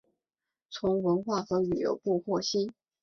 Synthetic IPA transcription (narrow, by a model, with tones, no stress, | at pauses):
t͡sʰʊ˧˥ŋwə˧˥nxwa˥˩xɤ˧˥ly˨˩jo̰˧˥ʊpu˥˧xwɔ˥˩ɕi˥